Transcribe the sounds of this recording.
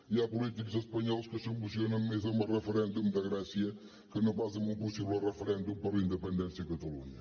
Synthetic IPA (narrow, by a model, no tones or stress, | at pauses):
iapulˠit̪ikuzɐʃpɐɲɔlˠʃkɨsɨβlˠusjonɐ̃w̃mezɐumɐʁɨfɨɾẽnd̪umd̪ɐɣɾɛsiɐ | kɨnɐ̃w̃fazɐ̃mũpusivɛlʁɨfɨɾẽnd̪umpɐĩnd̪ɨpẽnd̪ẽsjɐkɐt̪ɐlˠṵɲɐ